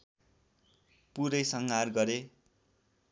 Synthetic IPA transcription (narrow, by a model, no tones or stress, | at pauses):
puɾʌjsʌŋɡarɡʌɾe